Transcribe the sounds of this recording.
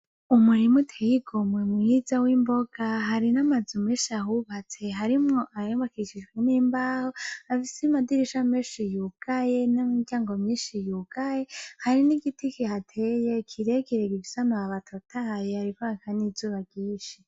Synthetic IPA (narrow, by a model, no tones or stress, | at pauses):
umuɾimutʰejiɡomwemujizawiːmboɡ̥aɦaɾinamad͡zumeːʃiahuβat͡se̞ɦaɾimŋo̞ʔajoːmbakiʃid͡ʒɡweniːmbaːhoafisemadiɾiʃameːʃijuɡ̥aje̞namiɡaːŋɡomɲiːnʃijuɡ̥aje̞haɾiniɡitikihatʰeje̞kʰiɾekiɾeɡiɡisamaβatʰotʰajehaɾikoakʰanizuβaɡiːʃe